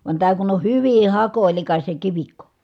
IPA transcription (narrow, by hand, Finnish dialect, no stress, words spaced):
ʋɑn tæː kun on hyʋi hɑkoˑilikɑs jɑ kiʋikːo